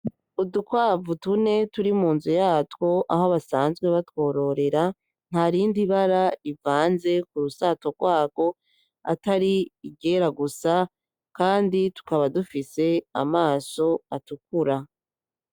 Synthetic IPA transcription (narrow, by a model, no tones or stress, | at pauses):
udukwaːvutune̞tuɾimuːnzujaːtwo̞ʔahoβasaːnzɡwe̞βatwo̞ːɾo̞ɾe̞ɾa | n̥haɾiːndiβaɾaivaːnze̞kuɾusato̞ɡ̥waːɡo̞ | a̰taɾiːɡe̞ɾaɡusa | kaːnditu̥kaβadufise̞a̰maːso̞atuk̚uɾa